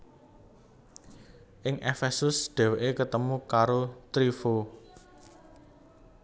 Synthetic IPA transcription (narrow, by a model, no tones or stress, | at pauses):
ʔɪŋʔefɛsʊsd̪̥ɛ̤weʔekət̪əmukaɾot̪ɾifo